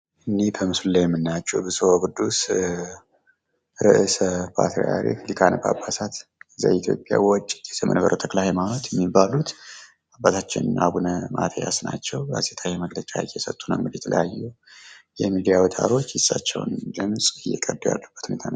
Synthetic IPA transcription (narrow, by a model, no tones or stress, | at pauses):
ʔɨnːibʰəmɨsulːajɛmːɨnːat͡ʃːɛwbɨsuoɡɨd̪ːus | ɾɨʔɨsəpʰa̰t̪ɾiaɾḭklikʰanəbabːasat̪za̰it̪ʰjo̞̰pʼːja̰wɔt͡ʃʼːt̪jɛsəmənbəɾʔət̪ʰəklahɛmanot̪jɛmːibalut̪ | abat̪ʰat͡ʃːɪnɨnʔabunəmʔa̰t̪ʰəjasnat͡ʃːɛwɾa̰set̪ʰajɛməɡlət͡ʃʼajɛsət̪ʼːunəmːɨd̪jɛt̪ʰələ̰jajːujɛmid̪ijawɔt̪ʼa̰ɾo̞t͡ʃːjɪsʼːat͡ʃːɛ̰wnd̪ɨmsʼɨjːɛkʼəɾd̪uja̰lːəb̥ːə̥t̪hune̞t̪ʰan